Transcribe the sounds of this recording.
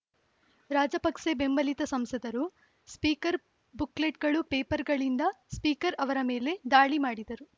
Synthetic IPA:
ɾaːd͡ʒɐpɐkʂebembɐlit̪ɐsɐmsɐd̪ɐɾu | spiːkɐɾ | bukleʈ̚ɡɐɭupeːpɐɾɡɐɭind̪ɐspiːkɐɾɐʋɐɾɐme̞ːle̞d̪aːɭimaːɽid̪ɐɾu

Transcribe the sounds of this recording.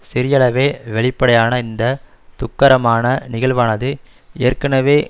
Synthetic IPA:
sɪɾɪjɐɭɐʋeːʋɛɭɪpːɐɽɐjaːnɐɪnd̪ɐ | t̪ʊkːɐɾɐmaːnɐnɪɣɐɭʋaːnɐðɯ | ejɐrkɐnɐʋeː

